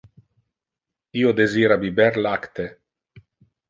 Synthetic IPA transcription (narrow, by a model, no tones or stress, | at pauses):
iod̪eziːɾabibɛɾlakt̪e